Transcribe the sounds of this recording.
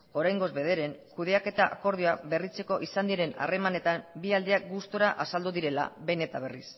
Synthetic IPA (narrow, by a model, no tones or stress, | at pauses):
o̞ɾajŋɡo̞zβe̞ð̞e̞ɾe̞ŋkuð̞e̞ake̞t̪aʔako̞ɾðioaβe̞rit͡se̞ko̞ʔisand̪iɾe̞na̰re̞mane̞t̪ambiald̪eak̚ɡust̪oɾaʔasald̪uðiɾe̞la̰βe̞ne̞t̪aβ̞eris